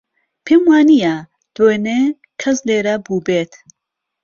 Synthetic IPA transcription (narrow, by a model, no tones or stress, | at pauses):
pʰeːmwaːnija | d̪̥wene | kʰɐsleːɾɐbuːbeːt̪